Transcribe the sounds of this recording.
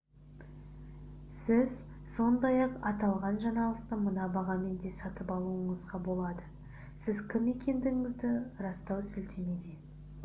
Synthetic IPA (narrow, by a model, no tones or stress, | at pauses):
sɪz | so̞nd̪ɑjɑqɑt̪ɑlˠʁɑnʒɑɴɑlˠəq̚t̪əmənɑbɑʁɑme̞nd̪e̞sɑt̪əpɑlˠuəɴəzʁɑbo̞lˠɑd̪ə | sɪzkʲʰɪme̞kʲe̞nd̪ɪŋɪzd̪ɪɾɑst̪ɑwsʏlt̪ʰe̞me̞d̪e